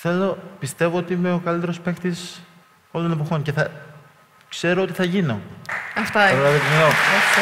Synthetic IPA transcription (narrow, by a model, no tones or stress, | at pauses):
θe̞lo̞pist̪e̞voot̪iimeo̞kɐlit̪e̞ɾo̞spext̪is | o̞lone̞p̬o̞xo̞ɲce̞θɐ | kse̞ɾo̞ot̪iθɐʝino̞ɐft̪ɐlɐvet̪ineno